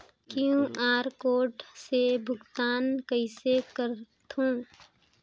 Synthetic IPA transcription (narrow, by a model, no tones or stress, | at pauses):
kjũʔaːɾkoːʈsebʱʊɡt̪aːnkəɪsekəɾt̪ũː